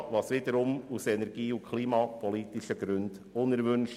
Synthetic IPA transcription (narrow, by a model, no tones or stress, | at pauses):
ʋɑːsʋid̪əɾʊmusɛnɛɾɡ̥iːʊkʰliːmɑːpʰɔlit̪iʃəɡ̥ɾʉnd̥ | ʊnəɾʋʏnʃ